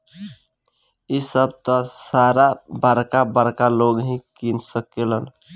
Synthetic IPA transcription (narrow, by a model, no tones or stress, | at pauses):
isəbt̪ɔsaɾabaɾkabəɾkaloɡɦĩkinsəkelən